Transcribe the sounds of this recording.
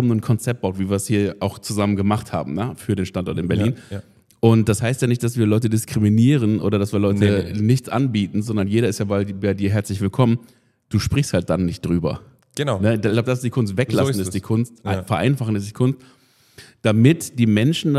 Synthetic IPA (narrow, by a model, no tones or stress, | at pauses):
bmnuːnkʰɔnt͡sɛp̚t̚b̥aʊtviːviːɐshiːɐʔaʊxt͡suzamənɡəmaχtha̰ːbm̩nəfyːɐɾeːnʃtantɔɐtɪnbɛɐjiːn | ʔʊnt̚d̥ashaɪstjaːnɪçt̚d̥asv̥iːɐlɔʏtədɪskʁ̥iminiːʁənʔo̰ːɾɐdasv̥iːɐlɔʏtənɪçt͡sʔa̰nbiːtn̩zɔndɐnjeːɾɐɪstjaːbabaɪdiːɐɦɛɐt͡slɪçv̥ɪlkʰɔmən | d̥uːʃpʁ̥ɪçsthalt̚d̥anːɪçt̚d̥ʁyːbɐ̰ | ɡ̥ənanəɪlaʊbəd̥asɪstd̥iːkʰʊns̬tv̥ɛklasn̩ɪsdikʰʊnstfɛɐʔa̰ɪnfaχn̩ɪsd̥iːkʰʊnst̚ | d̥amɪtd̥iːmɛnʃn̩d